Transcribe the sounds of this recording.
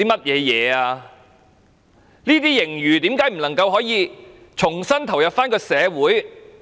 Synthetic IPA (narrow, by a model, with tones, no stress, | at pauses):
iː˥mɐ˥t̚jɛː˨˧jɛː˨˧aː˧ | niː˥t̪iː˥jɪ˨˩ŋjyː˨t̪iː˨˥mkaː˨˥jm̩˨˩nlɐ˨˩ŋkɐ˧wɦɔː˨˥jiː˧ | t͡ʃʰʊ˨˩ŋsɐ˥nt̪ʰɐ˨˩wjɐ˨p̚faː˥nkɔː˧sɛː˨˧wuː˨˥j